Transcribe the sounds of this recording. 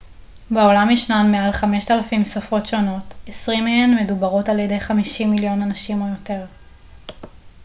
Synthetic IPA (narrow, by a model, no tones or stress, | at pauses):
beo̞lamiʃnanmealχame̞ʃtalafimsafo̞tʃo̞no̞tesʁimeenme̞dubaʁo̞taljede̞jχamiʃimiljo̞nanaʃimojo̞te̞ʁ